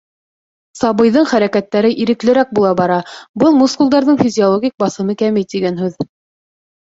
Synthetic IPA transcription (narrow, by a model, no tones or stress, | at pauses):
sɑβɤ̆jðɤɴχæɾækæt̪ːæɾɘʔiɾɘ̆klɘ̆ɾæk̚bulˠɑbɑɾɑbɤlˠmuskulˠd̪ɑɾðɤɴfʲizʲiolˠoɡʲik̚bɑsɤ̆mɤkæmɘjt̪iɡænɦʉð